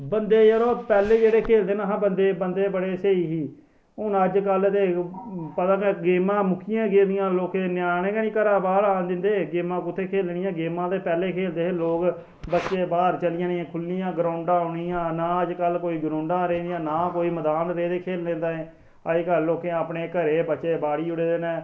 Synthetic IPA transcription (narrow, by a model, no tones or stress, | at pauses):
bənd̪eːəɾoːpɛːleːd͡ʒeːɽeːkʰeːld̪eːnãːɦãːbənd̪eːbənd̪eːbəɽeːseiːɦiː | ʊnəd͡ʒkəlt̪eːpət̪ãːkeɡeːmãːmʊkʰɪjãːɡẽːd̪ɪjãːloːkenjaːɽẽːkaːnĩːkəɾaːbaːlaːnd̪ɪnd̪eːɡeːmãːkʊt̪ʰːeːkʰeːlɳɪ̃jãːɡeːmãːt̪eːpɛːleːkʰeːld̪eːɦeloːk | bətːʃeːbaːɾt͡ʃəlɪjãːãːkʰʊlniːãːɡɾaːʊɳɖãːʊɽiːãːnaːəd͡ʒkəlkoːiːɡʊɾõːɳɖãːɾẽːd̪ijãːnaːkoːiːməd̪aːnɾeːd̪eːkʰeːllẽːnd̪aːẽː | əd͡ʒkəːoːkẽːaːpɳeːkəɾeːbəːt͡ʃʃeːbaːɽiːʊɽeːd̪eːnɛ̃ː